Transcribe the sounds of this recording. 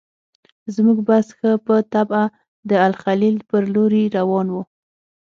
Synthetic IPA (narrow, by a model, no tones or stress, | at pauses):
zmuɡbasxəpət̪aba | d̪əalxalilpəɾloɾiɾawɑnwu